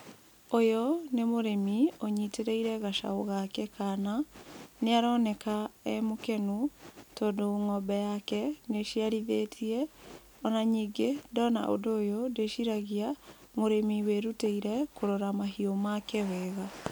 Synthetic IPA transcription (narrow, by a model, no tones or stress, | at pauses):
ojɔnemoɾemioɲiteɾeiɾɛɣaʃa̰oɣakɛkananeaɾɔnɛkaɛmokɛnutodoŋɔbɛjakɛneʃiaɾiðeːtʰiɛ | ɔnaɲiːɡedɔna̰ʔo̰doːjodeʃiɾaɣia | moɾemiweɾuteiɾɛkoɾoɾamaɦiomakɛwɛːɣa